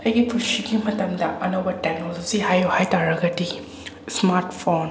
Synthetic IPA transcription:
ɐjɡipʰusiɡimɐtɐmdɐʔɐnowbɐtek̚nolod͡ʒiɦajohajtaɾɐɡɐdi | smaɾtpʰon

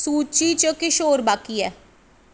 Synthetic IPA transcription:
suːt͡ʃiːt͡ʃəkɪʃoːɾbaːkiːɛː

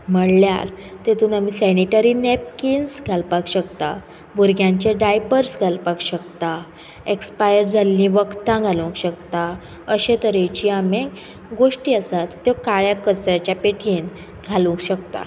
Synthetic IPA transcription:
m̤əɽlja̰ɾt̪et̪uːnamisɛniʈəɾinep̚kinsɡʱalpakɕəkt̪a̰ | buɾɡʱjãɲt͡ɕeɖajpəɾsɡʱalpakɕəkt̪a | ekspajəɾd͡zʱalːĩʋəkt̪ãɡʱalũkɕəkt̪a | əɕẽt̪əɾẽt͡ɕiːame | ɡoʂʈiːəsat̪ːjɔkaɭjakət͡sɾat͡ɕjapeʈʰiːn | ɡʱalũkɕəkt̪a̰

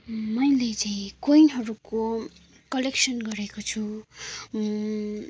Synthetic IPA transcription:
mʌjlet͡saĩkojnɦʌɾuko | kʌleksʌnɡʌɾekot͡sʰu

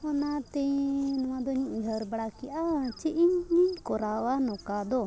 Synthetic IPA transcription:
ɔnat̪ɛnɔwad̪ɔɲũʔɦəɾbaɽakiʔat͡ʃiʔiɲːiɲkɔɾawanɔkad̪ɔ

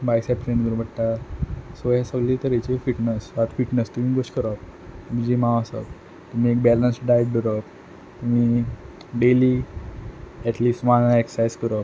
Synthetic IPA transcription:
bajsɛpɾenɡəɾubʱəʈʈ̪asojãsəɡlet̪əɾet͡ɕefiʈnesʋat̪fiʈnest̪um̤iːɡoskəɾək̚ | t̪um̤id͡ʑimãʋasə̰k | t̪um̤ĩːek̚bɛlənsɖajɖəɾək | t̪umiː | ɖeli | ɛʈliːsʈʋãnaeksajskəɾək

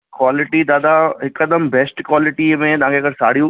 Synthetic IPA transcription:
kwaːlɪʈid̪aːd̪aɦɪkɐd̪əmbɛːsʈkwaːlɪʈimẽt̪ɐʋ̤ãkʰeɐɡəɾsa̰ːɽ̤ijũ

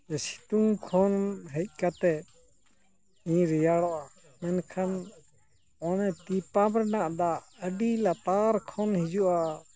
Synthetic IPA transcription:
ɛsi̥t̪uŋkʰɔnɦəc̚ˀkat̪ɛ | ĩɾɛjaɽɔʔa | mɛnkʰan | ɔnɛt̪ipamɾɛnaʔd̪aəɖilat̪aɾkʰɔnhid͡ʒuʔa

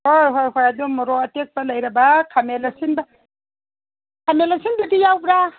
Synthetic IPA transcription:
hojɦojɦojadumɔɾɔɐtek̚bɐlɐjɾɐbakʰamelasinbɐ | kʰamelasinbidijawbɾa

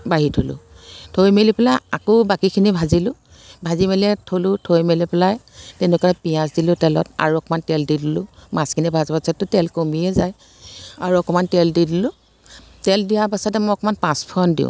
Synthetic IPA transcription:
baɦitʰolʊ̰̃ | tʰojmelipɛlajakobakikʰinibʱazilʊ̃ | bʱazimeliɛtʰolʊtʰojmelipɛlajtɛnɛkɔaɛpijãsdilʊ̃tɛlɔ̰ta̰ɹuɔkɔmantɛldidilʊmãskʰinibʱazbasɔtːʊtɛlkomiɛzaj | aɹuɔkɔmantɛldidilʊ̃ | tɛldijapasatɛmɔjɔkɔmanpãspʰɔndḭʊ̰̃

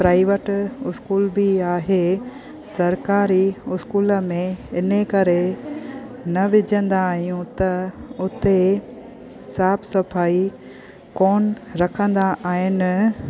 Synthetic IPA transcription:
pɾaːɪʋəʈɪskuːlbiaːɦe | sɐɾkaːɾiʊskuːlə̆mẽɪnəkɐɾe | nɐʋɪd͡ʑʱə̃nd̪aːɦijũt̪ɐʊt̪e | saːbʰsɐfaːi | koːnɾɐkʰə̃nd̪aʔaːɦɪnɪ̆

